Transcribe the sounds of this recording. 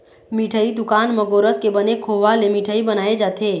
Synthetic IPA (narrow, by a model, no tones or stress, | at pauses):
miʈʰəid̪ʊkaːnməɡoɾəskebənekʰoʋalemiʈʰəibənaːed͡ʒaːt̪ʰe